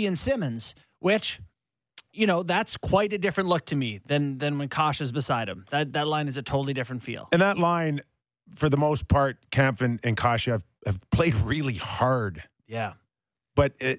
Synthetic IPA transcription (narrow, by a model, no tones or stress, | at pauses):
ɨ̃nsɪmɨ̃nz̥ | wʔɪt͡ʃ | jɨñoʊðætskʰw̥aɪɾɨdɪfɹɨ̃nʔlʊk̚tʰɨmiðɨ̃nðɨ̃nwə̃nkʰɑʃɨzbəsaɪɾ̚ɨ̰̃mðɨt̪̚ðɨtˡlãɪ̃nɨzɨtʰoʊɾl̩ˠidɪfɹɨ̃ntfḭlˠɨ̃nðətˡlãɪ̃n | fə˞ðəmoʊspʰɑɹt̚kʰæ̃mfɨ̃nɨ̃nkʰɑʃɨaɪvɨv̥pʰl̥eɪd̚ɹɪlˠihɑɹd̥ | jæ | b̥ʌt̚ɪ